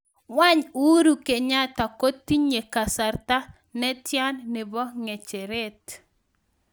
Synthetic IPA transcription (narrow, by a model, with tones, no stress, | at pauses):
wa˦ɲu˦ɾu˨ke˨ɲa˦ta˨ko˦tːi˦ɲe˨ka˨sa˨ɾta˦ | nɛ˦tja˦nːe˨bɔ˦ŋe˨t͡ʃe˨ɾɛ˦t